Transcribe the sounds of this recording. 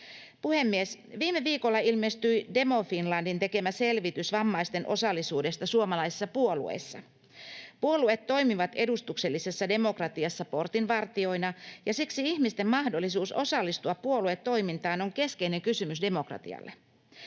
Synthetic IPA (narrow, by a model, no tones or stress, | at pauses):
puhe̞mːiesʋiːmːeʋiːkolːɑilme̞st̪yide̞mo̞finlɑndint̪e̞ke̞mæse̞lʋit̪ysʋɑmːɑist̪e̞nʔo̞̰sɑlːisuːde̞st̪ɑsuomɑlɑjse̥sːɑpuo̞lṵḛsːɑ | puoluet̪ːo̞jmiʋɑt̪e̞dust̪ukse̞lːise̞sːɑde̞mo̞krɑt̪iɑsːɑpo̞rt̪inʋɑrt̪io̞inɑjɑsiksiiçmist̪e̞mmɑhdo̞lːisuːso̞̰sɑlːist̪uɑpːuo̞luet̪ːo̞imint̪ɑːno̞ŋke̞ske̞ine̞ŋkysymysde̞mo̞krɑ̰t̪ḭɑ̰lːe